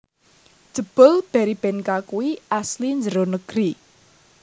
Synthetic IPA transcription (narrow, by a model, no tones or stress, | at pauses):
d̥ʒ̥ə̤b̥əlb̥ɛ̤ɾib̥ɛnkakuwiʔaslind͡ʒəɾonəɡ̥ɾi